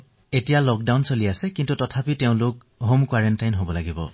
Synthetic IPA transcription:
etijalɔk̚dawnsoliasɛkintutɔtʰapiteʊ̃lʊk̚ | ɦomkwaɹɛntajnɦobɔlaɡibɔ̰

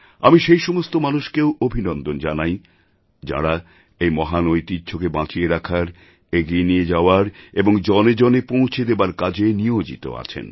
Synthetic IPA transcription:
amiʃejʃɔmost̪omanuʃkewobʱinɔnd̪ond͡ʑanaj | d͡ʑa̰ɽa | ejmɔɦanojt̪id͡ʑʰʱokebãt͡ɕieɾakʰaɾ | eɡienied͡ʑaoaɾeboŋd͡ʑɔned͡ʑonepõw̃t͡ɕʰed̪ebaɾkad͡ʑʱeniod͡ʑḭt̪o̰a̰t͡ɕʰḛn

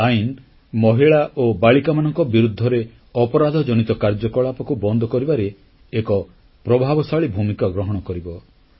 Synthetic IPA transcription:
ain | mɔɦiɭaʔobaɭikamanɔŋkɔbiɾud̪ʱːɔɾe | ɔpɔɾad̪ʱɔd͡ʒɔñit̪ɔkaɾd͡ʒɔkɔɭapɔkubɔnd̪ʱɔkɔɾibaɾeː | kɔ | pɾɔbʱabɔsaɭibʱumikɔɡɾɔɦɔɽ̃ɔkɔɾibɔ

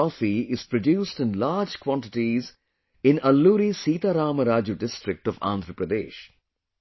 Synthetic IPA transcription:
ɔːfiɪz̥pɾoɖjuːsʈɪ̃nlaːd͡ʒkwɔ̃ɳʈɪʈiz | ɪ̃nɐlːuːɾisiːt̪aːɾaːməɾaːd͡ʒuɖɪsʈɾɪk̚ʈɔʋã̰ːnd̪ʱɾəpɾəd̪ḛːʃ

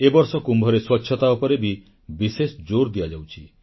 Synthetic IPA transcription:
ebɔɾsɔkumbʱɔɾeswɔtːʃʰjɔt̪aupɔɾebi | bisesɔd͡ʒoɾd̪iad͡ʒawt͡ʃʰi

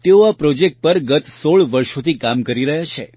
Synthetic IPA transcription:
t̪eoapɾɔd͡ʒek̚ʈ̚pəɾɡət̪soɭʋəɾʃot̪ʰikamkəɾiɾəɦjat͡ʃʰe

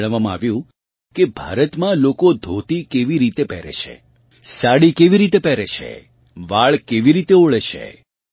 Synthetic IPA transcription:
ɭ̃əʋamãa̰ʋjũ | kebʱa̰ɾət̪mãlokod̪ʱot̪ikeʋiɾit̪epɛ̰ɾḛʃʰḛ | saɽikeʋiɾit̪epɛɾeʃʰḛ | ʋaɭkeʋiɾit̪eoɭeʃʰḛ

